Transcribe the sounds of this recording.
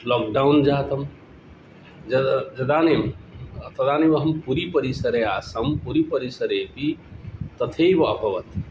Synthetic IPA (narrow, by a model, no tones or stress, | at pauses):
lɔːk̚ɖaund͡ʒaːt̪ɐm | d͡ʒɐd͡ʒɐd̪aːnemt̪ɐd̪aːnebɐɦɐmpuɾipəɾisəɾeaːsəmpuɾipəɾisəɾet̪it̪ɐt̪ʰejbɐɐbʱɐʋɐt̪